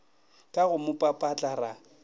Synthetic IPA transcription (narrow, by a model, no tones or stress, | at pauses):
kʼaɣʊmʊpʼapʼat͡ɬʼara